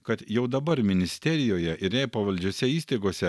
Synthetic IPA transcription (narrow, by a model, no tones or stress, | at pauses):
kɐt̪jɛʊd̪ɐbɐɾmʲɪnʲɪsʲt̪ʲɛɾʲɪjoːjɛʔɪɾʲɛɪpɐʋɐlʲd͡ʒʲoːsʲɛiːsʲt̪ɐɪɡoːsʲɛ